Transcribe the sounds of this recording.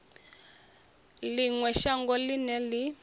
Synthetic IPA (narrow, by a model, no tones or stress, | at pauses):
liŋwɛʃaŋɡɔlinɛli